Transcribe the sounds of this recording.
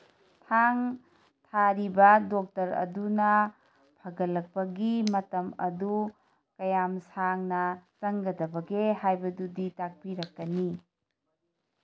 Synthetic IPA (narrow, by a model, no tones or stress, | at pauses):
tʰaŋ | tʰaɾibɐdok̚tɐɾɐ̰dunɐ | pʰɐɡɐlːɐk̚pɐɡimɐtɐmɐ̰du | kɐjamsaŋnɐtɐŋɡɐdɐbɐɡeɦajbɐduditak̚piɾɐkːɐni